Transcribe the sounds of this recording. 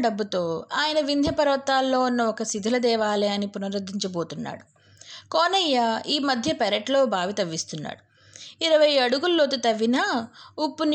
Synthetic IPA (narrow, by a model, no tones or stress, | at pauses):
ɖɐbːut̪o̞ːaːjɐnɐʋind̪ʱjɐpɐɾɐʋɐt̪ːaːlːo̞ːunːɐɔkɐsid̪ʱɐlɐd̪ɛːʋaːleɐnipunɐɾɐd̪ːiɲt͡ʃɐbo̞ːt̪unːa̰ːɽu | koːnɐjːɐiːmɐd̪ʱjɐpɛɾeʈlo̞ːbʱaːʋit̪ɐʋːist̪unːa̰ːɽu | iɾɐʋɐjɐɽuɡulloːt̪ut̪ɐʋːinɐupːun